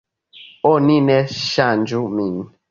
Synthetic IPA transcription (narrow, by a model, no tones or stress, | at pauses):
onĩnɛʃand͡ʒumin